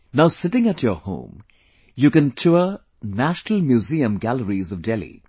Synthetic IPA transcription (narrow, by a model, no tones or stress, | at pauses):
naʊsɪtɪ̃ŋətʰjəhõ̰ːm | jukɨ̃ntʰuə | næʃnəl̩ˠmjuziə̃mɡæləɹizʌvdɛlḭ